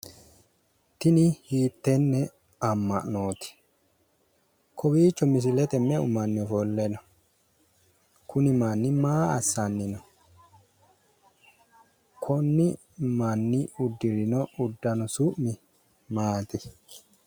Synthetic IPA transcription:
t̪ɪnɪhiːt̪ːɛnːɛ | ɐmːɐ̰ʔnoːt̪ɪ̥ | kʰɔbiːt͡ʃːɔmɪs̬ɪlɛt̪ɛmɛʊ̰mɐnːɪfɔlːɛnɔ | kʊnɪmɐnːɪmaːɐsːɐnːɪnɔ | kʰɔnːɪ | mɐnːɪʊd̪ːɪɾɪnɔʊd̪ːɐnɔsʊʔmɪ | maːt̪ɪ

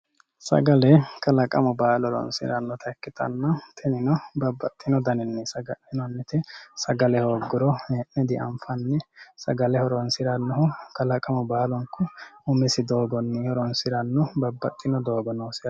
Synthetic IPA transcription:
sɐ̰ɡɐlɛkɐlɐkʼɐmʊbaːlɔɾɔ̰nsɪ̰ɾɐnːɔt̪ʰɐkːɪt̪ɐ̰nːɐt̪ːɪnɪnɔbɐbːɐt̪ʼːɪnɔd̪ɐnɛnːɛsɐɡɐʔɪnɔnːɪt̪ɛsɐɡɐlɛhoːɡːʊɾɔeʔːɛd̪ɪʔɐ̰mfɐnːɛsɐɡɐlɛhɔɾɔnsɪɾɐnːɔhʊkɐlɐkʼɐmʊbaːlɔŋkʊʊmɪsɪd̪o̞ːɡɔnːɪhɔɾɔnsɪɾɐnːɔbɐbːɐt̪ʼːɪnɔd̪o̞ːɡɔnosɪ

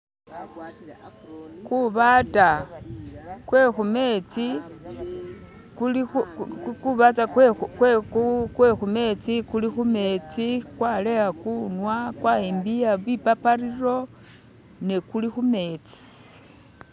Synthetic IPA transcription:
kuβata | kwexumet͡si | kl | kuβat͡sakwkwexume̞t͡sikulixume̞t͡sikwalejakunwakwaembijaβipapariro̞ | nekulixume̞t͡si̥

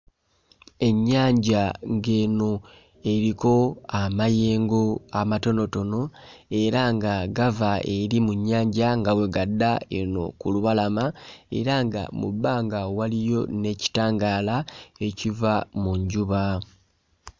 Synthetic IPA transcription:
e̞ɲːaːɲɟaŋɡe̞ːno | e̞ɾiko̞amaje̞ːŋɡo̞amato̞no̞to̞no̞e̞ɾaŋɡaɡavaeɾimuɲːaːɲɟaŋɡawe̞ɡadːaḛno̰kuluβalamae̞̰ɾaŋɡa̰mṵbːaːŋɡawalijo̞ne̞ci̥taːŋɡaːlae̞civamuɲɟuβa

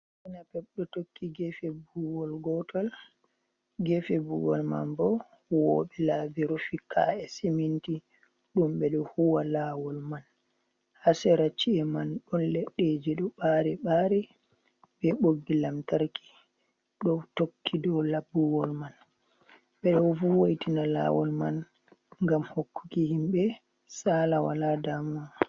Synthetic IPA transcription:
ɛnapɛɓɗɔtokːiɡɛfɛbuwɔlɡɔtʰɔl | ɡɛfɛbuwɔ̰lma̰nbɔ | wɔ̰ɓɛlaːbiɾufikʰa̰ɛseminti | ɗumɓɛɗɔhuwalaːwɔlman | hasɛɾat͡ʃːiɛmanɗɔnlɛɗːed͡ʒiɗɔɓaɾɛɓaɾɛ | ɓɛɓoɡːilamtaɾki̥ | ɗɔtokʰːidɔlabːuwɔlman | ɓɛɗɔwfuwajtinala̰ːwɔlman | ŋɡamhokːu̥kihimɓɛ | saːlawa̰ladamɔ

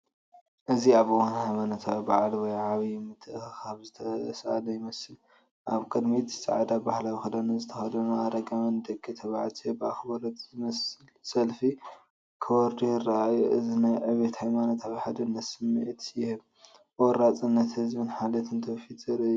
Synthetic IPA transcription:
ʔɨziaβwanhajmanɐt̪ʰawibaʕlwɔjʕaβimɨt̪ʰʼːɨʔxɨxaβzɨt̪ʰɐsʔalɐjɪmɐsɨl | ʔaβkʼɨd̪mitɨsʼa̰ʕad̪abahlawixɐd̪ɐnazɨt̪ʰɐxɐd̪ɐnuaɾɐɡɐmɐnd̪ɐkʼːɨt̪ʰɐβaʕlt̪ʰeɨbɨaxɨbɐlot̪zɨmɐsɨlsɐlfi | kʰɨwɔɾd̪ujɪraajuʔɨzinajʕɨβet̪hajmanot̪ʰaβiħad̪ɨnːɐt̪sɨmːiʕt̪jɪhɨβ | wɔɾat͡sʼɨnːɐt̪hɨzbɨnħalɐt̪ʰɨnt̪ʰɐwfit̪zɐɾɐju

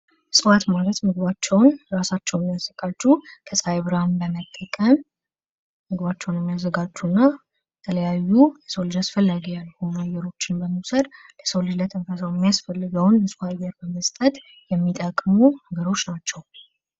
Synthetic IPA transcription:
sɨwat̪malət̪mɨɡɨβat͡ʃːɛwnɾasat͡ʃːɛwjɛmːijazːəɡat͡ʃːukʰəsʼajβɾambəmət̪ʼːəkʼəm | mɨɡɨβat͡ʃːɛwnjɛmːijazːəɡat͡ʃːunːa | bɛt̪ʰələjajːujɛsəwlɨd͡ʒasfəlːəɡijalːhumajɛɾo̞t͡ʃːɪnbəməwsəd̪ | ləsəwlɨd͡ʒlət̪ʰɨnfəswjɛmːijasfəlːɨɡəwnjɛsfaɡəɾbəməst̪ʼət̪ʼ | jɛmːit̪ʼəkʼmunəɡəɾo̞t͡ʃːnat͡ʃːɛw

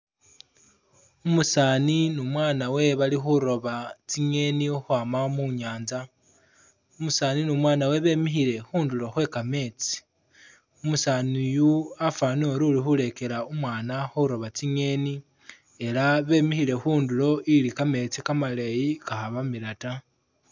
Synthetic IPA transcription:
umusaːninumwaːnawe̞βalixuɾo̞βat͡siɲe̞niuxwaːmamuɲaːnza | umusaːninumwaːnawe̞βe̞ːmixiɾe̞xuːndulo̞xwe̞kame̞ːt͡si̥ | umusaːnujuafaːnioɾulixule̞ke̞ɾaumwaːnaxuɾo̞βat͡siɲe̞ːni | e̞laβe̞ːmixiɾe̞xuːndulo̞ʔilikame̞ːt͡sikamalejikaxaβamiɾata

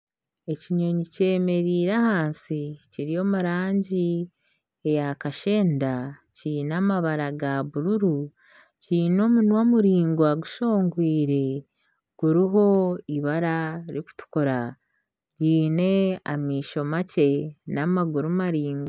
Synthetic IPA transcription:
e̞ciɲo̞ɲice̞ːme̞ɾiːɾahaːnsiciɾijo̞muɾaːɲɟi | ejakaʃe̞ːndacinamaβaɾaɡaβuɾuɾu | ciːno̞munwomuɾiːŋɡwaɡuʃo̞ːŋɡwiːɾe̞ | ɡ̥uɾiɦo̞iβaɾaɾiku̥tu̥koɾa | ɟiːne̞a̰miːʃo̞mace̞namaɡuɾumaɾiːŋɡaa

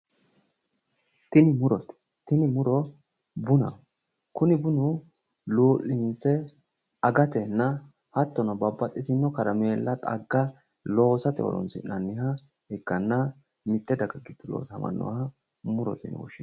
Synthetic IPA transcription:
t̪ɪnɪmʊɾɔt̪ | t̪ɪnɪmʊɾɔ | bʊnɐ̰ | kʊnɪbʊnʊ | luːʔːɪnsɛ | ɐɡɐt̪ɛnːɐ | hɐt̪ːɔnɐbɐbːɐt̪ʼːɪt̪ɪnːɔkɐɾɐmeːlːɐt̪ʼɐ̰ɡːɐ | lo̞ːsɐt̪ɪɔ̰ɾɔ̰nsɪ̰nɐnːɪhɐ | ɛkːɐnːɐ | mɪt̪ːɛd̪ɐɡɐɡɪd̪ʊlo̰ːsɐmɐ̰nːɔ̰wɐ | mʊɾɔ̰t̪ɪ̰n̰wɔ̰ʃɪn

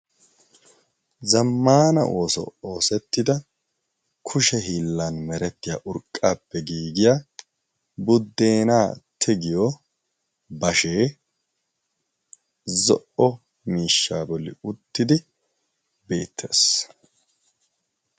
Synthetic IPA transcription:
zɐmːaːnɐ̰ʔo̞ːsɔ̰o̞ːsɛt̪ːɪd̪ɐ | kʰʊʃɛɦiːlːanmɛɾɛt̪ːɪja̰ːʔʊɾkʼːaːpːɛɡiːɡɪjaː | bʊd̪ːe̞ːnaːt̪ʰɛɡɪjɔ | bɐʃeː | zɔʔɔ | miːʃːaːbɔlːɪ̰ʊt̪ːɪd̪ɪ | be̞̰ːt̪ʰːe̞̰ːs

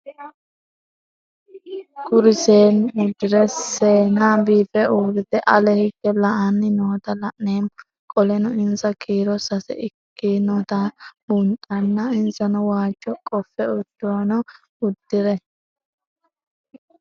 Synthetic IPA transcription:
ɡʊɾɪseːnʊd̪ːɪɾɛseːnɐbiːfɛʔuːɾɪd̪ɛʔɐlɛhɪɡːɛlɐʔɐnːɪnoːt̪ɐlɐʔneːn | kʼɔlɛnʊɪnzɐkʰiːɾɔsɐsɛ̰ɪkːinɔːt̪ɐbʊnt̪ʼɐnːɐɪnzɐnʊwaːt͡ʃʼːɔkʼɔfːɛʊd̪̥ːoːnʊ | ʊd̪ːɪɾɛ

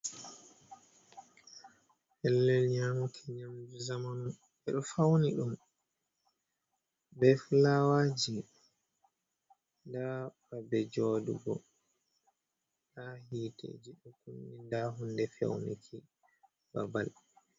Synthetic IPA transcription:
hɛlːɛlɲamukʰɛɲamd͡ʒuzamanu | ɛɗɔfawniɗum | bɛflawaːd͡ʒi | ndafabɛd͡ʒɔːdṵɡɔ̰ | ɗahiːtḛd͡ʒiɗukunːindaɦundɛfɛ̰wnḭkʰi | ba̰ba̰l

